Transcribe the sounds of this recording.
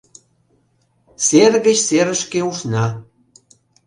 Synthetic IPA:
serɣə̆t͡ɕseɾə̆ʃkeuʃnɑ

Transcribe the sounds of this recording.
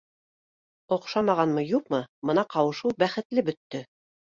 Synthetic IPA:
ŏqʃɑmɑʁɑnmɤjuqmɤmɤ̆nɑqɑwɤ̆ʃɤwbæχɘ̆t̪lɘbɵ̆t̪ːɵ

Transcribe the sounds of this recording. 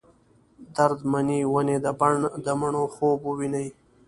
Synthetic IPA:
d̪aɾd̪maniwaned̪əbaɳd̪əməɳoxoːbuwinəj

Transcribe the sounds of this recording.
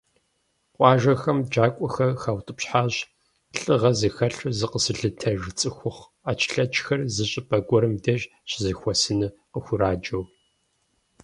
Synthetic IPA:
qʷʼɑːʒɐxɐmd͡ʒaːkʷʼɔxɐxaːwtʼɨpɕħaːʑ | ɬʼɨʁɐzɨxɐɬɨzɨqəsɨɮɨtʰɐʒt͡sʼɨxʷʊχ | aːt͡ʃʰɬɐt͡ʃʼxɐrzɨɕʼɪpʼɐɡʷɔɾɨmdɐʒ | ɕzɨxʷɔsɨnɨqəxʷʊɾaːd͡ʒɐw

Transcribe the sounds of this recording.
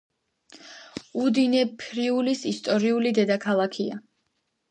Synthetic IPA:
ud̪inɛpʰɾiulisist̪ʼɔɾiulid̪ɛd̪akʰalˠakʰia̰

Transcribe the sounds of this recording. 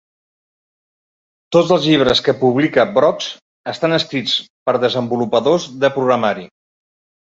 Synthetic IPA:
t̪od͡zəlˠzʎiβ̞ɾəskəpuβ̞likəbɾɔkz | əst̪anəskɾit͡spəɾðəzəmbulupəðozðəpɾuɣɾəmaɾi

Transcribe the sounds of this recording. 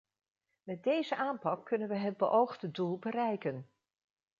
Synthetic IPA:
mɛt̚dejzəʔaːmpɑkːɵnənʋəɦəd̚bəʔowχdədulˠbərɛjkən

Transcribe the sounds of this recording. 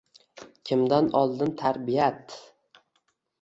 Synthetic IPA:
kʲʰɪmd̪anɒlˠd̪ɪnt̪ʰaɾbijat̪

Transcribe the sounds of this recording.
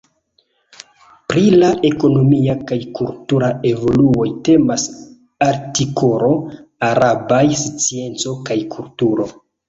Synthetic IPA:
pɾilaʔe̞ko̞no̞miakajkultuɾae̞vo̞luo̞jte̞mas | aɾtikʰo̞ɾo̞aɾabajst͡sie̞nt͡so̞kajkʰultuɾo̞

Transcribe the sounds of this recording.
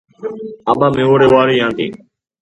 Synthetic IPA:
aːɓaːmẽːoːɽeːʋaːɾiːjãːnt̪ḭː

